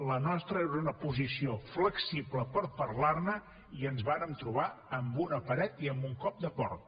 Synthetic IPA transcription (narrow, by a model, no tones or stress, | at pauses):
lənɔst̪ɾəeɾunəpuzisiofləksibləpəɾpərlarnə | iənzβaɾəmt̪ɾuβ̞aəmbunəpəɾɛt̪iəmbuŋkɔp̚d̪əpɔɾt̪̚